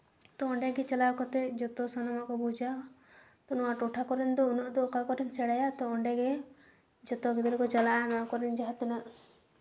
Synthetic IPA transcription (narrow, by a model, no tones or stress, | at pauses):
t̪ɔːɳɖɛɡɛt͡ʃɔlakɔt̪ɛd͡ʒɔt̪ɔsɔnɔmɔkɔbud͡ʒa | t̪ɔnuwaʈuʈʰakɔɾɛnd̪ɔunɔʔd̪ɔkakɔʈʰɛnsɛɽajat̪ɔːɳɖɛɡe | d͡ʒɔt̪ɔbid̪ɔɾɔkɔt͡ʃalaanakɔɾɛnd͡ʒaɦat̪ɛnaʔ